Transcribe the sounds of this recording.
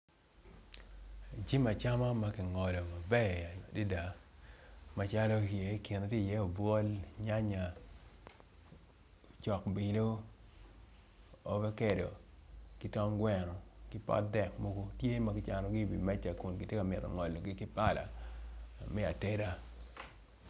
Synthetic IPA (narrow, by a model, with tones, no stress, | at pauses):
d͡ʒi˦ma˨t͡ʃa˦ma˦ma˦kɪ˨ŋɔ˨lɔ˨ma˨bɛ˦˨di˦da˨ | ma˦t͡ʃa˦lɔ˦je˨˦kɪ˨na˨te˦˨jɛ˦o˨bwɔ˦lɲa˦ɲa˨ | t͡ʃɔ˨kbi˨lo˦ | ɔ˨vɛ˦kɛ˨do̰˨kɪ˦tɔ˦ŋɡwɛ˦nɔ˨kɪ˦pɔ̰˦t̚dɛ˨k̚mo˦ɡo˦tje˦ma˨kɪ˦t͡ʃa˨nɔ˨ɡi˦˨bḭ˨mɛ˦t͡ʃa˨ku˨nɡɪ˨tje˦ka˨mɪ˨tɔ̰˨ŋɔ˨lo˨ɡi˦kɪ˦pa˦la̰˨ | mɛ˦a˨te˦ɾa˦